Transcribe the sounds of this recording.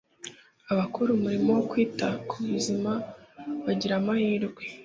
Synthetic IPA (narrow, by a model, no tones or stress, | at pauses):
aβakuɾumuɾimowokwiːtakʰuβuzimaβaɟiɾamahiːɾɡwe